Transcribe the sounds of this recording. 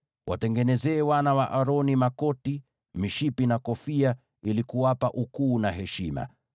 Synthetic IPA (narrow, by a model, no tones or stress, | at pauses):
wʔa̰tɛŋɡɛnɛzɛːwanawaʔaɾɔnimakɔti | miʃipinakɔfia | ilikuwapaʔukuːnaɦɛʃima̰